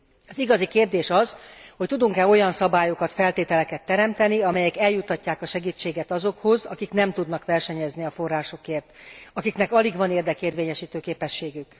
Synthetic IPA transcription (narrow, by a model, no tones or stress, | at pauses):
ɒziɡɒzikeːrd̪eːʃɒz̥hoct̪ud̪uŋkɛo̞jɒnsɒbaːjo̞kɒt̪fɛlt̪eːt̪ɛlɛkɛt̪ːɛɾɛmt̪ɛniɒmɛjɛkɛljut̪ːɒcːaːkɒʃɛɡiːt͡ʃːeːɡɛt̪ɒzokho̞zɒkiknɛmt̪ud̪nɒkʋɛrʃɛɲɛzniɒfo̞rːaːʃo̞keːrt̪ɒkiknɛkɒliɡʋɒneːrd̪ɛkeːrveːɲɛʃiːt̪øːkeːpɛʃːeːɡyk